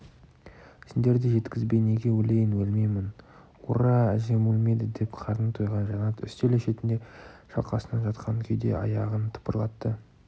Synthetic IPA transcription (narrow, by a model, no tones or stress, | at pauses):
sɪnd̪e̞ɾd̪ɪʒe̞t̪kʲɪzbe̞jne̞ɡʲe̞wɵle̞jɪnwɵlmejmɪn | ṵɾɑæʒe̞mulmed̪ɪd̪e̞pqʰɑɾnt̪ʰojʁɑnʒɑnɑt̪ʏ̰st̪eleʃe̞t̪ɪnd̪e̞ʃɑ̰lˠqɑsənɑnʒɑt̪qɑŋkʲʰʏjd̪e̞̰ʔɑ̰jɑʁənt̪ʰə̥pəɾlˠɑt̪ːə